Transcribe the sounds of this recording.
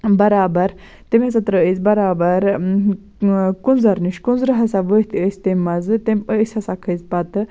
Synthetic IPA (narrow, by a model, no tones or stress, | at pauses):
bɐɾaːbɐɾ | t̪emʲɐsat̪ɾəizʲbɐɾaːbɐɾ | kunzɐɾniʃkunzɾɨɦɐsaʋəst̪ʰiəsʲt̪emɐzɨt̪eməəsʲɐsakʰəzpɐt̪ɨ